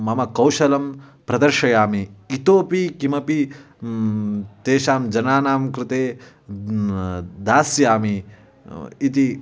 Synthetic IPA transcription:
mɐmɐkɐwʃɐlɐmpɾɐd̪ɐɾʃɐjaːmiːt̪oːpikimɐpi | t̪eːʃaːmd͡ʒɐnaːnaːmkɾɪt̪eː | d̪aːsjaːmi | it̪i

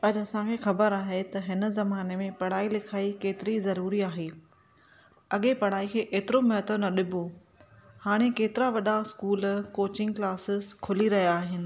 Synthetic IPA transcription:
ɐʄɐsãkʰeːxɐbəɾaːɦet̪ɐɦɪn̆zɐmaːnemẽpɐɽ̤aːilɪkʰaːikeːt̪ɪɾizɐɾuːɾiaːɦeː | ɐɠepɐɽ̤aːikʰeːʔeːt̪ɪɾomɐɦət̪onɐɗɪbʱo | haːɽ̃ekeːt̪ɪɾaʋɐɗaskuːlkoːt͡ɕɪ̃ŋɡklaːsɪzkʰʊliɾɐɦijaaːɦɪnɪ̆

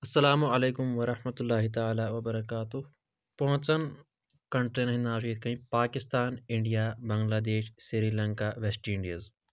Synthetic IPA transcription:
ɐsːɐlaːmuɐleːkʊmʋɐɾɐhmɐt̪ulːaːɦit̪ɐaːlaːʋɐbɐɾɐkaːt̪uɦ | pɐɦʊ̃t͡ʃɐn | kɐɳʈɾenɐɦĩnaːʃiːt̪̚kɐɦĩpaːkɪst̪aːnɪɳɖijaːbɐ̃ŋɡlaːd̪eːʃsiɾiːlɐ̃ŋkaːʋesʈiɪ̃ɳɖijəz

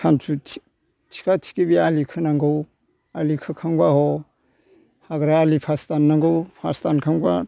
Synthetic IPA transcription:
kʰansʰu | tʰi̥kʰatʰi̥kibialikʰɯnaŋɡɯw | alikʰɯkʰaŋɡahɔ | haɡɾaːlipʰastanːaŋɡɯwpʰa̰stankʰaŋɡa̰

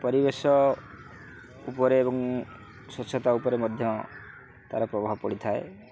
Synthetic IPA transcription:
pɔɾibesɔ | upɔɾeːbɔŋ | sot͡ʃʰɔt̪aupɔɾemɔd̪ʱjɔɔ | t̪a̰ɾɔpɾɔbaɦɔpɔɽit̪ʰae

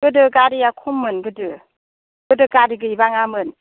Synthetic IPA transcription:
ɡɯdɯɡaɾijakʰumːɯnɡɯdɯ | ɡɯdɯɡaɾiɡɯibaŋamɯn

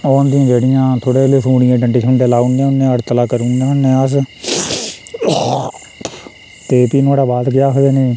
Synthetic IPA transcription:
oːʊnd̪ɪjãːd͡ʒeːɽɪjãːt̪ʰoːɽeːleːsuːɽɪjãːɖə̃ɳʈiːsʰəɳɖeːlaːunijãːʊnːẽːəɽt̪əlaːkəɾunjãːʊnːẽːəs | t̪eːpiːnaːɽaːbaːt̪kɪjaːɦoɡeːnẽː

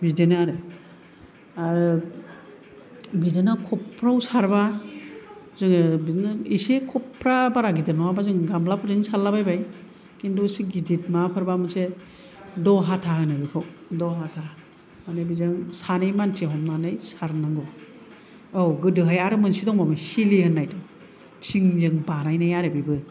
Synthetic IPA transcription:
bidenɾe | aɾ | bidɯnakʰɔpʰːɾawsaɾba | zɯŋbidnisekʰɔpʰːɾabaɾaɡidɯnɔwabazɯŋɡamblapʰɯɾdɯŋsalːabajbaj | kindɔsiɡidit̚mapʰɯɾbamɯse | dɔɦatʰaɦɯnabɯkʰɯwdɔɦatʰa | manebizɯŋsanejmantʰeɦɔmnanɯjsaɾnaŋɡɔ | awɡɯdɯɦajaɾɯmɯnsidɔŋmamɯsilihɯnːajdɔ | tʰiŋzɯŋbanajnajaɾebibɯ

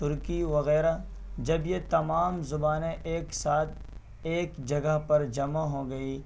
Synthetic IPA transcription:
t̪ʊɾkiʋɐɣɛːɾad͡ʒɐbjet̪ɐmaːmzʊbaːnẽʔeːksaːt̪̚ | eːkd͡ʒɐɡəɦpɐɾd͡ʒɐmaɦoːɡɐiː

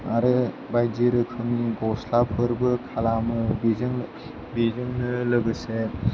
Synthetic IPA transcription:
aɾɯ | bajd͡ʒiɾɯkʰɯŋniɡɔslapʰɯɾbɯkʰalamɯbizɯŋ | bizɯŋnɯlɯɡɯse

